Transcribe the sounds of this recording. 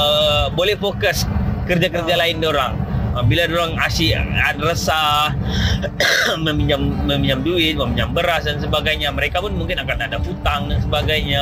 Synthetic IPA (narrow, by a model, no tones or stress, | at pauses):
əbolɛhfokəskərd͡ʒakərd͡ʒalaɪndoɾaŋəbiladoɾaŋasianrəsa | məmiɲd͡ʒamːəmiɲd͡ʒamduɪt̪̚wamiɲd͡ʒambəɾasdansəbaɡajɲaməɾekapʊnmuŋkɪnakanadafut̪aŋdansəbaɡajɲa